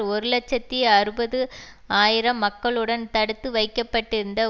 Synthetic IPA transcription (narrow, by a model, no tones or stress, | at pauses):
ɔɾɯlɐt͡ʃːɐt̪ːɪjɐɾɯbɐðɯ | aːjɪɾɐmːɐkːɐɭɯɽɐnt̪ɐɽɯt̪ːɯʋɐɪkːɐpːɐʈːɪɾɯnd̪ɐ